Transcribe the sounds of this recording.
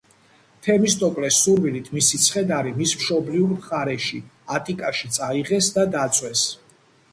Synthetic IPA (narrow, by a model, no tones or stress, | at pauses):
t̪ʰɛmist̪ʼɔkʼlɛsuɾvilit̪ʰmisit̪sʰχɛd̪aɾimismʃɔbliuɾmχaɾɛʃiat̪ʼikʼaʃit̪sʼaiʁɛsd̪ad̪at̪sʼwɛs